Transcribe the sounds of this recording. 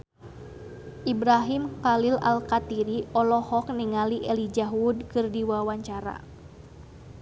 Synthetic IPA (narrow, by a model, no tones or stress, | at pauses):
ʔibɾaɦimkalila̰lkat̪iɾiɔlɔhɔk̚niŋaliʔɛlid͡ʒaɦudkɨrdiwawaɲt͡ʃaɾa̰